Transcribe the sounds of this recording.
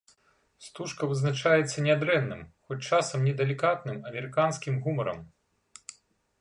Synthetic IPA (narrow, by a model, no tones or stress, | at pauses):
st̪uʂkɐvɨznat͡ʂajɛt̪sːɐnʲad̪ɾɛnːɨ̰mxɔt͡sʲt͡ʂasɐmnʲɛd̪ɐlʲikat̪nɨmɐmʲɛɾɨkanskʲimɣumɐɾɐ̰m